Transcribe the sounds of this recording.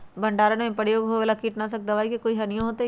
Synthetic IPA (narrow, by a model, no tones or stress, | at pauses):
bʱɐ̃ɳɖaːɾənmẽpəɽjoːɡɦoʋelakiːʈnasɐk̚d̪ɐʋaːikekoːiɦɐnijõɦoːt̪e